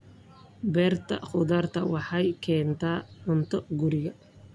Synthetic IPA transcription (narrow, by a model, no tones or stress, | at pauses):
bɛːrt̪ʰɐ̰χʊðaːrt̪ʰɐwɑħɑjkʰɛːnt̪ʰaːʔʊnt̪ʰɔɡʊɾɪɣɐ